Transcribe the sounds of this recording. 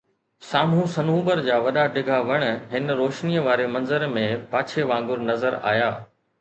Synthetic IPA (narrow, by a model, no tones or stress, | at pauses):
saːmũsɐnũːbəɾd͡ʑaːʋɐɗaɖɪɡʱaʋɐɽ̃ɦɪnɾoːʃnijəʋaːɾemɐ̃nzəɾmẽpaːt͡ɕʰeʋãːŋɡʊɾnɐzəɾa̰ːjaː